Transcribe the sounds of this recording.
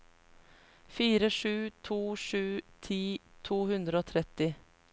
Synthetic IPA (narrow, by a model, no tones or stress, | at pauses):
fiːɾəʂʉːt̪ʰuːʂʉːt̪ʰiːt̪ʰuːhʉnd̪ɾəoːt̪ʰɾɛt̪ːɪ